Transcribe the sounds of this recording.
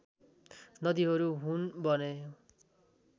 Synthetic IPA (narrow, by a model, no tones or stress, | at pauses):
nʌd̪iɦʌɾuɦunbʌne